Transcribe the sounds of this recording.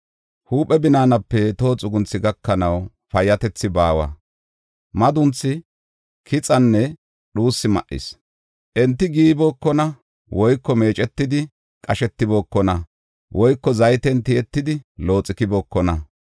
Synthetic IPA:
huːpʼːɛbɪnaːnɐpːɛt̪o̞ːt͡sʼʊɡʊnt͡sːɪɡɐkːɐnɐw | pɐjːɐt̪ɛt͡sːɪbaːwɐ̰ | mɐd̪ʊnt͡sːɪ | kʰɪt͡sʼɐnːɛ | ɗuːsːɪmɐ̰ʔɪ̰s | ʔɛnt̪ːɪɡiːbo̞ːkːɔnɐ | wɔjkːɔme̞ːt͡ʃʼɛt̪ːɪd̪ɪ | kʼɐʃɛt̪ːɪbo̞ːkːɔnɐ | wʔɔjkːɔzɐjt̪ɛnt̪ɪjɛt̪ːɪd̪ɪlo̞ːt͡sʼːɪkɪboːkːɔnɐ

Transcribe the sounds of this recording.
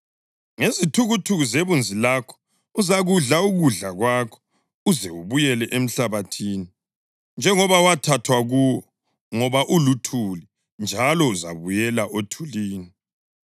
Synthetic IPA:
ŋezitʰuɣutʰuɣuzeβund͡zʱilakʰɔ̥ | uzaɣuɮauɣuɮaɣwaːkʰɔ̥ | uzɛwuβujɛlɛʔem̩ɬaβatʰiːni | nd͡ʒʱɛŋɔβawatʰatʰwaɣuwɔ | ŋɔβaʔulutʰuli | nd͡ʒʱalɔuza̰βujɛlaʔotʰuliːni

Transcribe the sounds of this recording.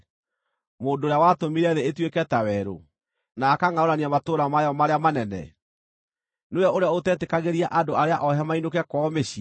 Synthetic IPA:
moːndoːɾjawatomiɾɛðeetwekɛtawɛɾo̰ | naːkaŋaoɾaniamatoɾamajɔmaɾeamanɛnɛ̰ | nejɔoɾeaotɛtekaɣeɾiaʔadoaɾeaʔɔɦɛmainokɛkwɔmeɕi

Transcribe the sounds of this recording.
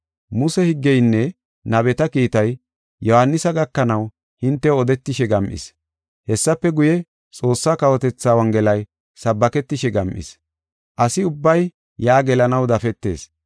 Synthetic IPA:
mʊsɛhɪɡːɛjnːɛ | nɐbɛt̪ɐkiːt̪ɐj | jɔhɐnːɪsɐɡɐkːɐnɐw | hɪnt̪ːɛɔd̪ɛt̪ːɪʃɛɡɐmʔɪ̰s | hɛsːɐpːɛɡʊjɛ | t͡sʼo̞ːsːaːkɐwɔt̪ɛt͡sːaːwɐŋɡɛlɐj | sɐbːɐkɛt̪ːɪʃɛɡɐmʔɪ̰s | ʔɐsɪʊbːɐj | jaːɡɛlɐnɐwd̪ɐfɛt̪ːe̞̰ːs

